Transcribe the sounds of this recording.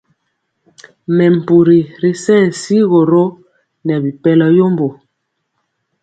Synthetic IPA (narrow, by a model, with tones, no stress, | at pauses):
mɛ˨m̩˨pu˨ɾi˨ɾi˨sɛ̃˦˨n˨si˦ɣɔ˨ɾo˦ | nɛ˨bi˨pɛ˦lɔ˦jo˦mbo˨